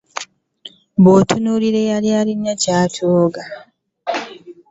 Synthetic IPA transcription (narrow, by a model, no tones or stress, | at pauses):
botʰunuliɾejalialiɲːacaːtʰoːɡa